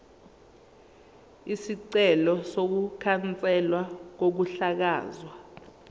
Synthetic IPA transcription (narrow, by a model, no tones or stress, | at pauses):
isiǀɛlɔsok̬ukʰant͡sʼɛlwak̬ok̬uɬak̬aːzwa